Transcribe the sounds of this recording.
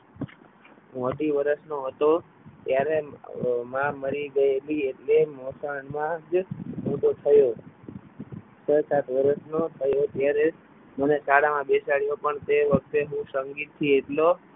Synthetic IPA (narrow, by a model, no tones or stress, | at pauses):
əʈiʋəɾəsnoɦət̪o | t̪jaɾemãməɾiɡəelieʈlemosaɳmãd͡ʒmoʈot̪ʰəjo | sʰəsat̪ʋəɾəsnot̪ʰəjot̪jaɾe | mənesaɽamãbesaɭjopəɳt̪eʋək̚ʰt̪eɦũsəŋɡit̪ʰːieʈlo